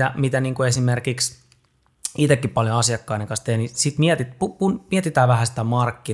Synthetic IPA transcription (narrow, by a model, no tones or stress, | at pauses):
æmit̪æniːŋkuesimerkiks | it̪ekːippɑljoɑsjɑkːɑinekɑ̃nst̪eːnisit̪miɛt̪it̪pupunmiet̪it̪æːʋæhæsi̥t̪æmɑrkːi